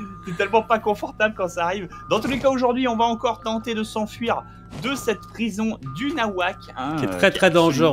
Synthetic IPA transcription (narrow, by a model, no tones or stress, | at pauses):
sɛt̪ɛlmɑ̃pakɔ̃fɔʁt̪ablkɑ̃saːʁivd̪ɑ̃t̪ulekaoʒuʁd̪ɥiɔ̃vaɑ̃kɔʁt̪ɑ̃t̪ed̪əsɑ̃fɥiʁ | d̪əsɛt̪pχizɔ̃d̪ynawak | ɛ̃ɛt̪χɛt̪χɛd̪ɑ̃ʒø